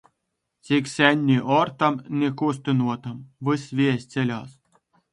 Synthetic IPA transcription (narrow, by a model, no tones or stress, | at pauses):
sʲikʲsʲænʲːiʔort̪ɑ̆mnʲekus̬ʲt̪ʲĭnuɔt̪ɤ̆mʋɨsʲʋʲesʲt͡sʲelʲɑs